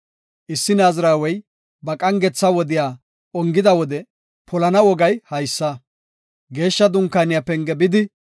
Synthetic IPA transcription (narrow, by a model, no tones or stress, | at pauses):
ʔɪsːɪnaːzɾaːwɛj | bɐkʼɐŋɡɛt͡sːɐwɔd̪ɪjaː | ɔŋɡɪd̪ɐwɔd̪ɛ | pɔlɐnɐwɔɡɐjhɐjsːɐ | ɡe̞ːʃːɐd̪ʊŋkːaːnɪjapɛŋɡɛbɪd̪ɪ